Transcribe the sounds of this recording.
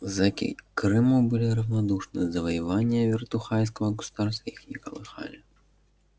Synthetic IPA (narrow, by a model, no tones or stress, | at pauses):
zakʲḭkɾɨmubɨlʲiɾɐwnad̪uʂnɨzɐvɐjavanʲːɐvʲɛrt̪uxajʲs̬kɐvɐɡɐsu̥d̪̥arskʲixnʲikɐ̰lˠɨxa̰lʲɐ